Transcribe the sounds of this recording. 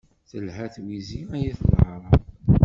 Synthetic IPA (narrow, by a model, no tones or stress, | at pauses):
θəlhæθwiziæjæθlʕɾˤɑ